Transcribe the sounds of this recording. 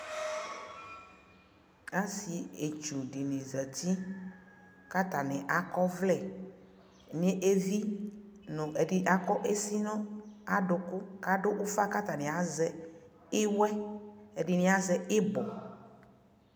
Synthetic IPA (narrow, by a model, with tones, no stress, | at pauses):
a˦si˨e˨t͡ʃu˨ɖi˨nĩ˨zɛ˨t̪i˦ | ka˦t̪a˨nɛ̃˨ʔa˨kɔ˦vlɛ˨ | mĩ˦ẽ˦ʔe˦vi˦nõ˨ʔe˨ɖi˨ʔa˦kɔ˦ʔe˦si˦nɔ̃˦a˨ɖo˨ko˦ka˦ɖo˦ʔo˦fa˦ka˦t̪a˨nɛ̃˨a˨zɛ˨ | e˦wɛ˦e˨ɖi˨nĩ˨˦a˦zɛ˨e˦bɔ˨